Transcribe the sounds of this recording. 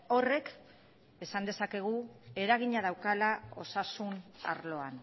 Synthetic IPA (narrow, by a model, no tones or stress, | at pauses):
o̞re̞k | e̞sand̪e̞sake̞ɣ̞ue̞ɾaɣ̞iɲað̞awkalao̞̰sasuna̰ɾlo̞an